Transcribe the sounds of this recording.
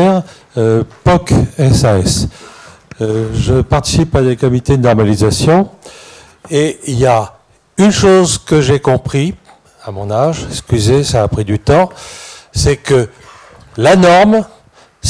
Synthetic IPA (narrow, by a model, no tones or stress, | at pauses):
ɛʁ | pɔkɛsaɛs | ʒəpaʁt̪i̥sipad̪ekɔmit̪ed̪ənɔʁmalizasjɔ̃ | eilja | ynʃozkəʒekɔ̃pχi | amɔ̃naʒskʲyzesaːpχid̪yt̪ɑ̃sɛkə | lanɔʁm | s